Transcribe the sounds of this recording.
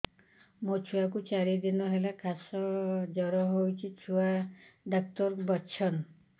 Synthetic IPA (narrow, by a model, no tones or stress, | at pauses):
mot͡ʃʰuakut͡ʃaɾid̪inɔɦelakʰasɔd͡ʒɔɾɔɦowt͡ʃʰit͡ʃʰuaɖɔk̚t̪ɔɾbɔt͡ʃʰɔn